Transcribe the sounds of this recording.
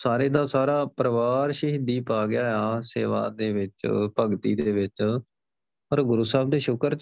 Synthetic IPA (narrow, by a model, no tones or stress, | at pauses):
saːɾeːd̪aːsaːɾaːpɾəʋaːɾʃəɦd̪iːpaːɡɪjaːaːsḛːʋa̰ːd̪eːʋɪt͡ʃpəɡt̪ḭːd̪eːʋɪt͡ʃ | ɔɾɡʊɾuːsaːb̚d̪eːʃʊkəɾ